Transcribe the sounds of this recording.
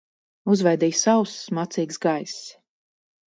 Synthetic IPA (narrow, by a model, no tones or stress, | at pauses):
uzvajd̪iːjsawssmat̪siːksɡajs